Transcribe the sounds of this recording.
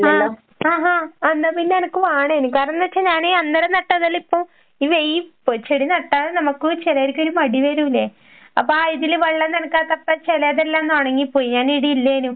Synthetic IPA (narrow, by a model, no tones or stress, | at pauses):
ɐaː | aːɦaːɐnːaːpinːɐnɐkːɨʋaːɳeːnumkaːɾɐnːɨʋɐʈʂːeɲaːneɐnd̪ɐɾɐnɐʈːɐðɐlipːoː | iːʋejipot͡ɕːeɽinɐʈːaːɭnɐmɐkːɨt͡ɕelɐjɾikʲːoɾumɐɽiʋɐɾumilːe | ɐpːoiðilʋɐɭːɐnɐnɐkːaːt̪ːɐpːɐt͡ɕelɐjɐðelːaːnt̪oːɳeŋɡilpoːjiɲaːniɽiilːɐeːnu